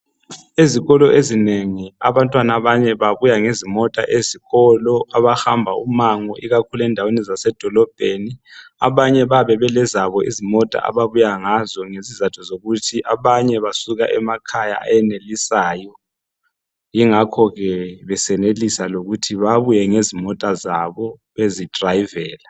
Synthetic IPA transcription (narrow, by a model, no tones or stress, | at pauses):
eziɣɔlɔʔezineŋiaβantʼwanaβaɲɛβaβujaŋezimɔtʼa̰ʔeziɣɔlɔaβaxambʱaumaŋɔʔiɣakʰulɛndʱawenɛzasɛd̥ʱɔlɔb̥ʱeniaβaɲɛβaβɛβɛlɛzaβɔʔizimɔtʼa̰ʔa̰βaβujaŋazɔŋezizatʰɔzoɣutʰiʔaβaɲɛβasuɣa̰ʔɛmakʰaja̰a̰jɛnelisaːjɔ | jiŋakʰɔɣɛβɛsɛnelisaloɣutʰiβaβujɛŋezimɔtʼazaβɔβezid̥ʱrajivɛːla